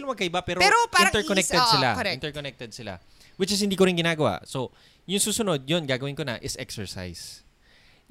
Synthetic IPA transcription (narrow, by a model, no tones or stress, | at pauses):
lʊŋmɐɡ̚kɐʔɪbapɛːɾoɾopaɪnɾɐt̪ɛɹkoɛk̚t̪ɛd̪sɪlaɛɪ̃nt̪ɛɹkonɛk̚t̪ɛd̪̚sɪla̰ | wɪt͡ʃɪs̬hɪnd̪iːkoɾɪnɡɪnaːɡɐwa̰ʔso̞ | jʊŋsuːsʊno̞d̪̚jonɡaːɡɐwɪnkonɐ̰ʔɪsʔɛksɛɹsa̰js